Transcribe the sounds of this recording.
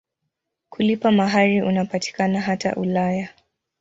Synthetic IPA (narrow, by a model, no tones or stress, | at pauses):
kulipamaɦaɾiʔunapati̥kanaɦata̰ʔulaja